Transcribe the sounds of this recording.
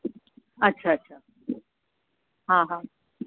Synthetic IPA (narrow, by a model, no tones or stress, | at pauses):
ətːɕʰaətːɕʰa | ɦãɦã